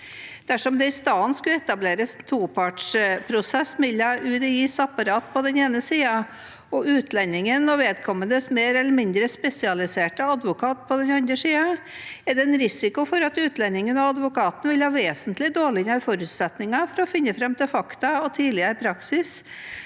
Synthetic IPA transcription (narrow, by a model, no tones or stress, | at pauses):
d̪̥æʂɔmd̪ɛɪst̪ɑːənskʉɛt̪ɑbleːɾəst̪ʰuːpʰɑʈʂpʰɾʊsɛsmɪlːɑʔʉːd̪ɛiːsɑpɑɾɑːt̪pʰɔd̪ɛneːnəsiːɑ | ɔʔʉːt̪ʰlɛnːɪŋənɔʋeːd̪kʰɔmːənd̪əsmeːɾɛlːəɾmɪnd̪ɾəspɛsɪɑlɪseːʈəɑd̪ʋʊkʰɑːt̪̚pʰɔd̪ɛnɑnd̪ɾəsiːɑ | ɛɖɛɛnɾɪsɪkʊfɔɾɑt̪ʉːt̪ʰlɛnːɪŋənɑɑd̪ʋʊkʰɑːt̪n̩ʋɪlhɑːʋeːsənt̪lɪd̪oːɭɪnɑɾfɔɾʉt̪sɛt̪nɪŋɑfɔɾɔfɪnːəfɾɛmt̪ʰɪlfɑkt̪ɑɔt̪ʰiːlɪəɾɪpʰɾɑksɪs